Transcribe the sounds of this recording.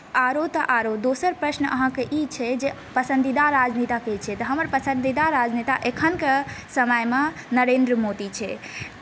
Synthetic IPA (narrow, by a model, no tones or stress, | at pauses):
aɾot̪əʔaɾod̪osəɾpɾəsnə̰ɦãkeʔit͡ʃʰɛd͡ʒe | pəsənd̪id̪aɾːad͡ʒnit̪aket͡ʃʰɛt̪əɦəməɾpəsənd̪id̪aɾːad͡ʒnit̪aʔekʰənkesəməjme | nəɾend̪ɾəmod̪it͡ʃʰɛ